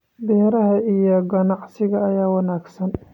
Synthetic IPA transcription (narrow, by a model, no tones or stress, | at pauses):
b̪ɛːɾɐɦɐʔijɔɡɐnɑʕsɪɣɐːjaːwɐnaːɡsɐn